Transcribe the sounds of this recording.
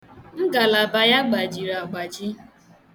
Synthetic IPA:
m̩˦ɡa˨la˨ba˨ja˦ɡ͡ba˨d͡ʒi˨ɾa˨ɡ͡ba˨d͡ʒi˦

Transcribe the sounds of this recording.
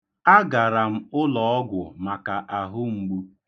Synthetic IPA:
a˦ɡa˨ɾa˨m̩˦ʊ˦lɔ˨ɔ˦ɡʷʊ˨ma˨ka˨ʔa˨ɦʊ˦ŋ͡m̩˨ɡ͡bu˦

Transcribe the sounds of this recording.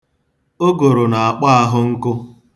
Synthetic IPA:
o˦ɡo˨ɾo˨na˨a˨k͡pa˦a˦ɦʊ˦ŋ̩˦kʊ˦

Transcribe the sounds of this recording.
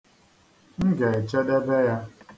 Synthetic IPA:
ŋ̩˦ɡe˨e˨t͡ʃe˦de˦be˦ja˦

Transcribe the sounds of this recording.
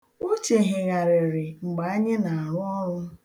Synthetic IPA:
o˦t͡ʃe˨ɦɪ˨ɣa˨ɾɪ˨ɾɪ˨ŋ͡m̩˨ɡ͡ba˨a˦ɲe˦na˨a˨ɾʊ˦ɔ˦ɾʊ˦

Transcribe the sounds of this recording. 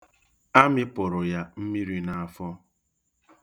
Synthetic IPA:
a˦mɪ˦pʊ˨ɾʊ˨ja˦m̩˦mi˦ɾi˦na˨a˨fɔ˦

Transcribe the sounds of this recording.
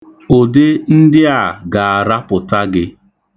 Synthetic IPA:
o˨de˦n̩˦dɪ˦a˨ɡa˨a˨ɾa˦pʊ˨ta˦ɡɪ˦

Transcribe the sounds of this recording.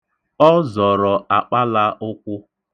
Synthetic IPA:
ɔ˦zɔ˨ɾɔ˨a˨k͡pa˦la˦ʊ˦kʷʊ˦

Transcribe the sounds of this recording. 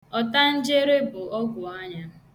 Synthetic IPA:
ɔ˦ta˦n̩˦d͡ʒe˦ɾe˦bʊ˨ɔ˦ɡʷʊ˨a˦ɲa˦

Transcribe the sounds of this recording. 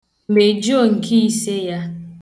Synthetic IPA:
m̩˨be˨d͡ʒo˦˨ŋ̩˨kʰi˦i˦se˦ja˦

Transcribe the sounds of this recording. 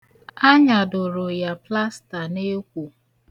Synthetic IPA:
a˦ɲa˨dʊ˨ɾʊ˨ja˨pla˦sta˨ne˦kʷu˨

